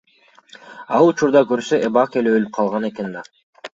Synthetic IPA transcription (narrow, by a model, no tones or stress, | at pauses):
ɑlˠut͡ʃuɾd̪ɑkøɾsøʔebɑke̞leølyp̚qʰɑlˠʁɑne̞ke̞nd̪ɑ